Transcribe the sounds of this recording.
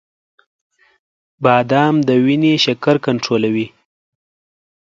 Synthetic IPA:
bɑd̪ɑmd̪əwineʃakaɾkaɳʈɾolawi

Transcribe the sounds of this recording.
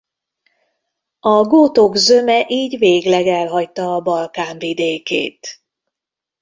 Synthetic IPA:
ɒɡoːt̪o̞ɡzø̞mɛʔiːɟveːɡlɛɡɛlɦɒct̪ɒːbɒlkaːɱvid̪eːkḛːt̪

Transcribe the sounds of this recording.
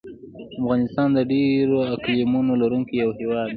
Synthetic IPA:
afɣɑnɪst̪ɑnd̪əɖeɾoaklimunolaɾuŋkijawhewɑd̪

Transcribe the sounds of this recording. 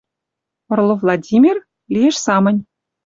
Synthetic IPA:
ɤ̆rlˠɤ̆vlˠɑdʲimʲirʲ | lʲijĕʂsɑmɤ̆nʲ

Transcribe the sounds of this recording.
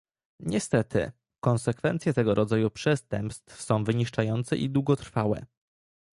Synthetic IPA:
ɲɛst̪ɛt̪ɘ̰ | kɔnsɛkfɛnt̪sʲjɛt̪ɛɡɔɾʔɔd̪zajupʂɛst̪ɛmpst̪fsɔ̃w̃vɘɲiʂt͡ʂajɔnt̪sɛ̰ʔḭd̪wuɡɔt̪ɾfawɛ̰

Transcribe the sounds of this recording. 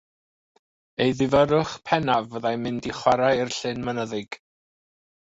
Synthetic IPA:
ejðɪvəɾʊχpʰɛnavəðajmɪndiχwaɾairɬɪnmənəðɨɡ̥

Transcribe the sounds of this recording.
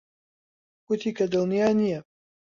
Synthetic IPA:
kʊt̪ʰiːkɐd̪ɨlˠnijaːnijɐ

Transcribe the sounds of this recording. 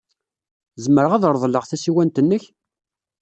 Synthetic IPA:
zəməɾəʁæðəɾˤðˤləʁθæsiwænt̪ənːəç

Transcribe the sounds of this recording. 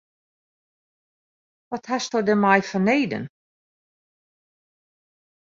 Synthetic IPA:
ʋɔthastɔwdɛmajfɔneːdə̰n

